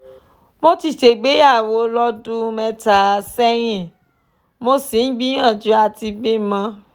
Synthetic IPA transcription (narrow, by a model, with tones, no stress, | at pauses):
mo˦ti˨te˨ɡ͡be˨˦ja˦˨wo˨˦lɔ˦du˦mɛ̃˧ta˨sɛ˦j̃ĩ˦˨ | mo˦si˨n̩˦ɡ͡bĩ˦ã˦˨d͡ʒu˨˦a˧ti˧bi˦mã˧